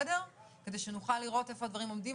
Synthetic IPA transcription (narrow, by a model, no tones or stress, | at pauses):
de̞ʁ | ke̞deʃenuχalːiʁo̞te̞fo̞advaʁimo̞mdim